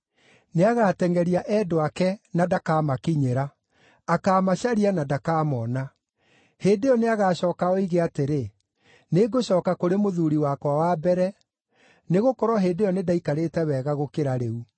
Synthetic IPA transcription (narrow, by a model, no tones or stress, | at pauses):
neaɣaːtɛŋɡɛɾiaʔɛdoakɛnadakaːmakiɲeɾaː | kaːmaɕaɾianadakaːmɔna | heːdeɔneaɣaːɕɔːkaɔiɣeateɾe | neɡoɕɔːkakoɾemoðuɾiwakwawabɛɾɛ | neɣokɔɾwɔɦeːdejɔnedaikaɾetɛwɛːɣaɣokeɾaɾeu